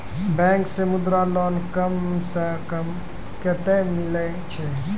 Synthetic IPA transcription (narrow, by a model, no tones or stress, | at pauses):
bɛ̃ːŋksemʊd̪ɾalɔːnkəmsəkəm | ket̪emɪle | t͡ʃʰe